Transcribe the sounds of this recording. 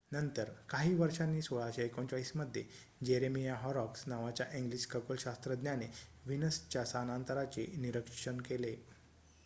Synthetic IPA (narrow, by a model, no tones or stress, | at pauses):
nənt̪əɾkaɦiːʋəɾʂanːiːsuɡat͡ɕaekõɲt͡ɕaɭisməd̪ʱːje | d͡ʑeɾemijaɦɔɾɔksnaʋat͡ɕjaʔiŋɡliɕkəkolɕast̪ɾəd̪njaneʋinəst͡ɕjasanant̪əɾat͡ɕeniɾəkʂɕənkele